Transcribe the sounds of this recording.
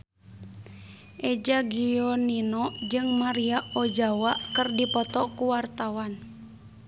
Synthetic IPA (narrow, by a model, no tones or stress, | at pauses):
ʔɛd͡ʒaɡiɔninɔd͡ʒɨŋmaɾiaod͡ʒawaʔkɨrdipɔt̪ɔkuwart̪awan